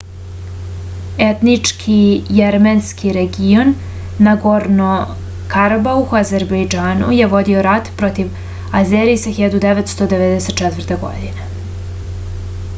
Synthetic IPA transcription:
et̪nit͡ʂkʰijeɾmenskʰiɾeɡijo̞nː | aɡoɾno | kaɾbauxazeɾbejd͡ʒaːnṵje̞ʋo̞d̪io̞ɾat̪pɾo̞t̪iʋ | azeɾisaxiʎad̪ud̪eʋet̪st̪od̪eʋed̪ɛse̞t̪̚t͡ʃɛt̪vr̩t̪eɡo̞̰d̪ine

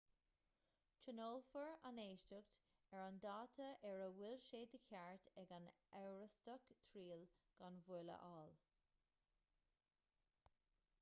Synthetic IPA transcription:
t͡ʃənoːlfəɹaneːʃtəɡt̪ | ɛɹand̪ɑːt̪ʰəʔɛɹəwɪlʃeːd̪əkʰʲaɹt̪ɛɡan | ɛwɹəst̪əkt̪ʰɾiːlɡ̥anvuːlə̰ʔɑːl

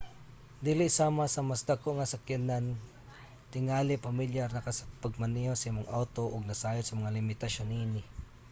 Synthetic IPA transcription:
d̪iːlɪʔsaːmasɐmasd̪akoʔŋasakanan | t̪ɪŋaːlɪpamɪljaɾnɐkasapaɡ̚maniosɐimoŋʔawt̪oʔʊɡ̚nɐsaːjosɐmɐŋalɪmɪt̪aʃonʔiːnɪ

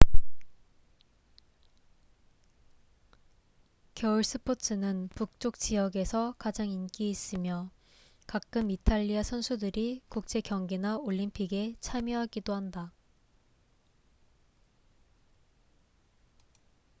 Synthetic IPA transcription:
kjʌuɭs͈ɯpʰotʰɯnɯnpuk̚t͡ɕ͈ok̚t͡ɕijʌɡe̞sʰʌkad͡ʑaŋink͈iːs͈ɯmjʌ | kak͈ɯmitʰaʎːiasʰʌnsʰudɯɾikuk̚t͡ɕ͈e̞kjʌŋɡenaoʎːimpʰiɡe̞t͡ɕʰamjʌɦaɡidoɦanda

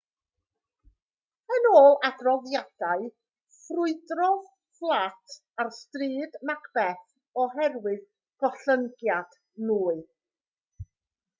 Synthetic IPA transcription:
ənoːlˠadrɔðjad̥aɨ | frʊɨdrɔð | flˠatʰ | arstriːdmakb̥ɛθ | ɔɦɛrwɨð | ɡ̥ɔɬəŋɡjad̥ | nuːɨ

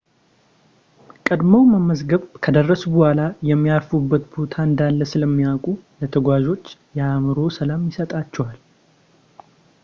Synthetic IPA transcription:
kʼəd̪mowməməzɡəβkʰəd̪ərːəsubəhʷalajɛmːijafubːət̪bo̞t̪ʰaɨnd̪alːəsɨləmːijakʼulət̪ʰəɡʷaʒo̞t͡ʃːjɛamɨɾo̞səlamjɪsət̪ʼat͡ʃːɛwal

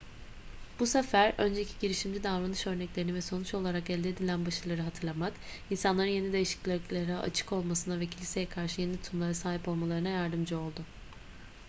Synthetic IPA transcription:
b̥usefæɾø̞nd͡ʒecʰiɟiɾiʃimd͡ʒid̪avɾanɯʃø̞ɾnɛclʲeɾinivɛso̞nut͡ʃo̞lˠaɾakɛlʲd̪iːd̪ilʲænbaʃɯlˠaɾɯɦat̪ʰɯɾlˠamak̪insanlˠaɾɯnje̞nid̪e̞jiʃi̥clʲeklʲeɾaʔa̰t͡ʃʰɯ̥ko̞lˠmasɯnavɛcʰilʲise̞jɛkʰaɾʃɯjenit̪ʰumlˠaɾasaːɦipo̞lˠmalˠaɾɯnajaɾd̪ɯmd͡ʒɯo̞lˠd̪ʊ

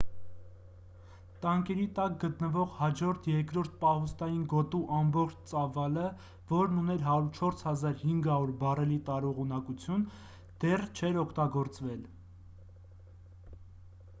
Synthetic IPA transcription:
t̪ɑŋkɛɾit̪ɑk̚ɡət̪nəvɔʁhɑd͡ʒɔɾt̪ʰjɛɾkɾɔɾt̪̚ʰpɑhust̪ɑjinɡɔt̪uʔɑmbɔχt͡ʃʰt͡sɑvɑlə | vɔɾnunɛɾɦɑɾuɾt͡ʃʰɔɾshɑzɑɾhiŋɡɑɾuɾbɑrɛlit̪ɑɾuʁunɑkut͡sʰjun | d̪̥ɛrt͡ʃʰɛɾɔkʰt̪ɑɡɔɾt͡svɛl

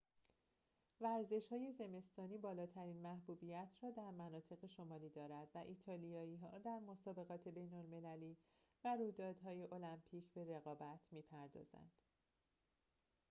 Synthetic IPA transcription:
væɾze̞ʃhɒːje̞ze̞me̞st̪ɒːniːbɒːlɒːt̪ʰæɾiːnmæhbuːbiːjæt̪ʰrɒːd̪æɾmænɒːt̪ʰe̞ɣe̞ʃo̞mɒːliːd̪ɒːɾæd̪væʔiːt̪ʰɒːlijɒːiːɦɒːd̪æɾmo̞sɒːbe̞ɣɒːt̪ʰe̞be̞jnolme̞læliː | væɾujd̪ɒːd̪ɦɒːje̞ʔo̞læmpʰiːcʰbe̞ɾe̞ɣɒːbæt̪ʰmiːpʰæɾd̪ɒ̰ːzæ̰nd̪̥

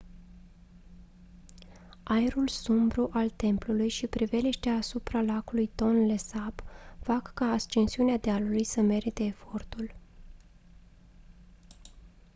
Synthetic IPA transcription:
ajeɾulsumbɾuʔalt̪e̞mplulujʃipɾive̞liʃt̪eaːsupɾalakulujt̪o̞nlesabfakːaːst͡ʃensiunead̪ealulujsəme̞ɾit̪e̞ːfo̞rt̪ul

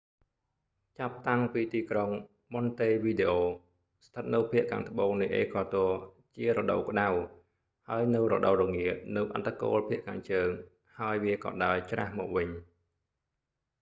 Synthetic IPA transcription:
t͡ɕap̚t̪aŋpiːt̪iːkroŋ | mont̪eːʋiːɗeːʔoː | st̪ʰət̪̚nɨwpʰiəʔkʰa̰ːŋt̪ʰə̆ɓoːŋnɨjʔeːkʰɑːt̪oə | t͡ɕiəɾɔɗə̰wkə̆ɗaw | haəjnɨwrɔ̰ɗəwrɔŋiəʔ̪̚nɨwʔa̰t̪ʰːako̰ːlpʰiəʔkʰaːŋt͡ɕəːŋ | haəjʋiəkɑ̰ːɗaɔjt͡ɕra̰hmɔ̰ːk̚ʋɨɲ

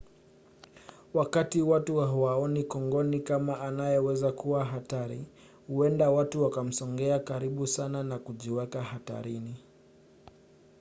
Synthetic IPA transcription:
wakatiwatuwaɦuwaɔnikɔŋɡɔnikamaʔːnajɛwɛzakuwaɦataɾḭ | huɛndawatuwakam̩sɔŋɡɛakaɾiɓusananakuʄiwɛkahata̰ɾini

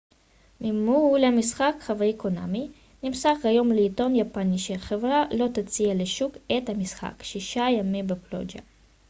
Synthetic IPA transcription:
mimuulamisχakχavajikona̰mi | nimsaχɡajo̞mleit̪o̞njapaniʃeaχevʁalo̞t̪at͡sialeʃuket̪hamisχa̰kʃiʃajamimbeplo̰d͡ʒa̰

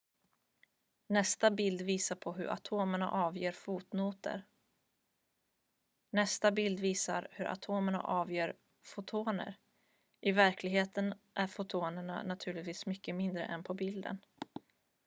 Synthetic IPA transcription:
nɛst̪abɪld̪viːsapʰɔɦɵ̰ɾʔa̰t̪ʰoːməɳa̰ʔɑːvjeːɾfuːt̪nuːt̪ə̰ɾ | nɛst̪abɪld̪viːsa̰ɾhɵɾʔa̰t̪ʰoːməɳa̰ʔɑːvjeːɾ | fʊt̪ʰoːnə̰ɾ | ʔɪvæɾkʰlɪɡɦeːt̪ənʔæɾfʊt̪ʰoːnəɳa̰nat̪ʰʉ̟ːɭɪt̪viːsmʏkːəmɪnd̪ɾə̰ʔɛnpʰɔbɪld̪ə̰n

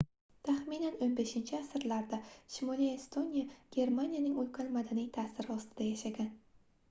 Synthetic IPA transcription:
t̪ʰaχminanonbe̞ʃɪnt͡ʃʰɪasɾlaɾd̪aʃɪmolijest̪ʰo̞nijaɡ̥ʲe̞ɾmanijanɪŋolqʰanmad̪anijt̪ʰaːsɪɾɪɒst̪ʰɪd̪ajaʃaɡʲan

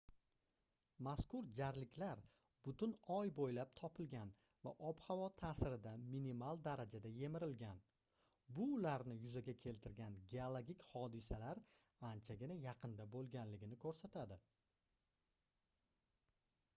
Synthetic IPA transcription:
maskʊɾd͡ʒaɾlɪkʲlaɾ | bʊt̪ʊnɒjbojlap̚t̪ʰɒpʰɪlɡʲan | va̰ʔɒphavɒt̪ʰaːsɪɾɪd̪aminimalˠd̪aɾad͡ʒad̪aje̞mɪɾɪlɡʲan | bʊːlaɾnɪjʊzaɡʲakʲʰe̞lt̪ʰɪɾɡʲanɡʲeolˠoɡʲikʲhɒd̪ɪsalaɾ | ant͡ʃʰaɡʲɪnajɑqʰɨnd̪abolˠɡʲanlɪɡʲɪnɪkʰɵɾsat̪ʰad̪ɪ

